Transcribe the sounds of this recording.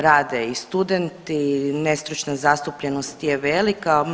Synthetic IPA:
ɾaːd̪eist̪ud̪ent̪ine̞st̪ɾut͡ʃnazast̪upʎenost̪jeʋelika

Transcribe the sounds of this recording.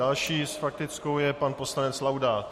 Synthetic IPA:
alʃiːsfak̚t̪ɪt͡skowjɛpanpo̞slanɛt͡slawdaːt̪

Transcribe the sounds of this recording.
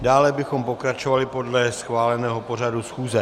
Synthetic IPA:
daːlɛbɪxo̞mpo̞kɾat͡ʃo̞valɪpo̞dlɛsxvaːlɛnɛːɦo̞po̞radusxuːzɛ

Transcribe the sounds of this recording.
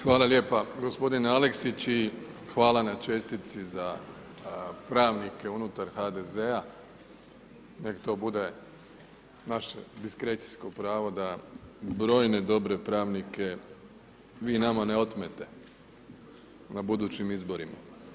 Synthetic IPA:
xʋaːlˠalje̞ːpaɡo̞spo̞d̪inealeksit͡ɕi | xʋaːlanat͡ʃe̞st̪it̪siza | pɾaːʋnikeunut̪aɾxad̪ezea | nekt̪o̞bud̪e̞ | naʃḛd̪iskɾe̞t̪si̥skopɾaːʋo̞d̪abɾo̞ːjne̞d̪o̞bɾe̞pɾaːʋnike̞ | ʋiːnamaneo̞t̪met̪e̞ | nabud̪uːt͡ɕimizbo̞ɾima̰

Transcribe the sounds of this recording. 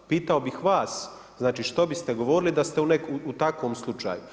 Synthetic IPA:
piːt̪aobixʋaːs | znaːt͡ʃiːʃt̪obist̪eɡo̞ʋoːɾilid̪ast̪eunekuut̪akʋomslˠut͡ʃa̰ːju

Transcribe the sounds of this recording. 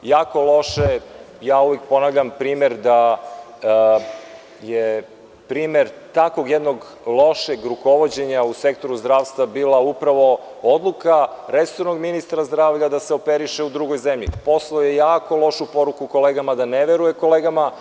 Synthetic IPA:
jaːko̞lˠo̞ʃe | jaːujek̚po̞naʋʎampɾiːmeɾd̪a | je | pɾiːmeɾt̪akoɡjed̪no̞ɡ | lˠo̞ʃeɡɾuko̞ʋo̞d͡ʑe̞ɲause̞kt̪o̞ɾuzd̪ɾaːʋst̪ʋabiːlˠaupɾaʋo̞ | od̪lˠukaɾesoɾno̞ɡminist̪ɾazd̪ɾaːʋʎad̪aseopeɾiʃeud̪ɾuɡojzemʎḭpo̞slˠojejaːko̞lˠo̞ʃupo̞ɾukuko̞leːɡamad̪aneʋeɾujeko̞lˠeːɡama

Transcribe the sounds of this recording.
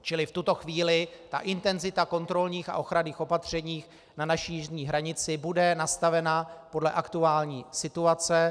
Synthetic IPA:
t͡ʃɪlɪft̪ut̪o̞xviːlɪt̪a̰ʔɪnt̪ɛnzɪt̪ako̞nt̪ɾo̞lɲiːxa̰ʔo̞xɾaniːxo̞pat̪r̝̥ɛɲiːx | nanaʃijɪʒɲiːɦɾaɲɪt͡sɪbudɛnast̪avɛnapo̞dlɛʔakt̪uaːlɲḭːsɪt̪uat͡sɛ

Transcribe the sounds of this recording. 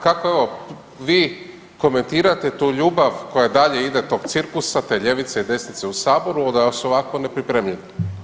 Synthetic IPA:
kako̞eʋo̞ | ʋiː | ko̞me̞nt̪iːɾat̪et̪uːʎuːbaʋko̞jad̪aʎe̞id̪et̪o̞ɡt̪siɾkusat̪e̞ʎe̞ʋit̪seid̪e̞snit̪se̞usaːbo̞ɾuod̪ajosuoʋako̞ne̞pɾipɾemʎeni

